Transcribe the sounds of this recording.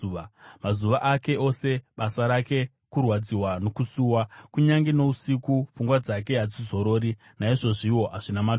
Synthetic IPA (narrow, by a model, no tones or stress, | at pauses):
amazuʋaʔake̞ʔo̞se̞ɓasaɾake̞ | kurwad͡ziwano̞kusuːwakuɲaŋɡino̞usikufuŋɡwad͡zake̞ɦad͡zizo̞ɾo̞ːɾi | naiʐo̞ʐiwo̞ɦaʐinama